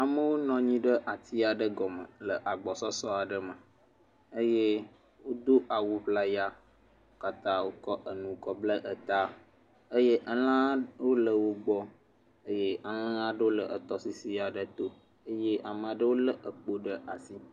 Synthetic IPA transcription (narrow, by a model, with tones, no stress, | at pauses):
a˨mə˦wo˦nɔ̃˨ɲĩ˦ɖə˦ʔa˨t̪i˦a˨ɖə˦ɡɔ˨mə̰˨lə˨ʔa˨ɡ͡bɔ˨sɔ˦sɔ˦a˨ɖə˦mə˨ | ə˦je˦ | wo˦d̪o˦ʔa˨wu˨ɸla˦ja˦ | o˦ka˦t̪ã˦wo˦kɔ˦ʔə˨nũ˨kɔ˨blə˦ʔə˨t̪a˦ | ə˦je˦ʔa˨lã˦wo˦lə˨wo˦ɡ͡bɔ˦ | ə˦je˦a˨l̃ã˦ã˦ɖə˦wo˦lə˨ʔə˨t̪ɔ˦si˨si˦a˨ɖə˨t̪o˦ | ə˦je˦ʔa˨mə̃˨a˨ɖə˦wo˦lə˦ʔə˨k͡po˦ɖə˦ʔa˨si˦